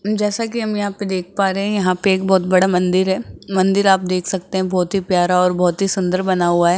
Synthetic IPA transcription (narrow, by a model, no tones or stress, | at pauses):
d͡ʒɛːsakiɦɐmjɐɦãped̪eːk̚ʰpaːɾeɦɛ̃jɐɦãpeeːk̚bɔːt̪̚bɐɽamɐ̃nd̪ɪɾɦɛːmɐ̃nd̪ɪɾaːp̚d̪eːkʰsɐk̚t̪ẽɦɛ̃bɔːt̪ɦipjaːɾaɔːɾbɔːt̪ɦisʊ̃nd̪əɾbɐnaɦuaɦɛː